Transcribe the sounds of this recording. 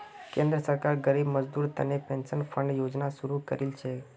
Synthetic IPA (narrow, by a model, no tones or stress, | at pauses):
kẽnd̪ɾəsəɾkaɾɡəɾibməd͡ʒd̪uːɾt̪ənepensənfəɳɖjod͡ʒnasuɾukəɾilt͡ʃʰe